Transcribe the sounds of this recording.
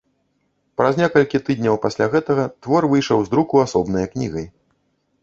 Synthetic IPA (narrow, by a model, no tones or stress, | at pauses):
pɾɐzʲnʲɛkɐlʲkʲit̪ɨd̪ʲnʲɐwpasʲlʲaɣɛt̪ɐɣɐt̪vɔrvɨjʂɐwzd̪ɾukuasɔbnɐjɐknʲiɣɐj